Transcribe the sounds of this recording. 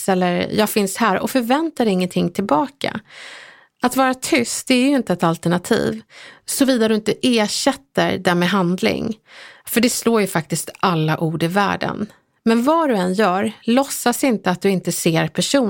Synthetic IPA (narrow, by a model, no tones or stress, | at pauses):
ɛlːəɾjɑːɡfɪnshæːɾɔ̰fœɾvɛnt̪aɾɪŋːənt̪ʰɪŋːt̪ʰɪlbɑːka̰ | ʔat̪vɑːɾat̪ʰʏst̪̚d̪ɛæjɾjɵɪnt̪əɛt̪alt̪əɳat̪ʰḭːvsɔviːd̪ad̪ɵɪnt̪əʔeːʂɛt̪ːə̰ɾd̪æɾmeːɦand̪lɪ̰ŋfœɖɛsloːjɵfak̚t̪ɪst̪ʔalːaʔuːɖɪvæ̰ːɖə̰n | mɛnvaɖɵɛnjœːɾlɔsːasɪnt̪əat̪̚d̪ɵɪnt̪əseːɾpʰæʂuː